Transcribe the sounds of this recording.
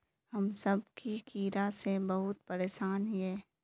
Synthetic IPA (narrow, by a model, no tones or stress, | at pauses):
hɐmsəbkikiːɾasebɐɦʊt̪̚pəɾeːʃaːnɦiɛː